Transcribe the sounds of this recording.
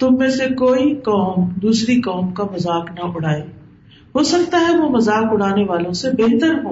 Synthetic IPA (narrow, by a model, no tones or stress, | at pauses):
t̪ʊmːẽsekoːikɔːmd̪uːsɾikɔːmkamɐzaːknaʔʊɽ̤aːeː | ɦoːsɐkt̪aɦɛʋoːmɐzaːkʊɽ̤aːneʋaːlõsebeɦt̪əɾɦoː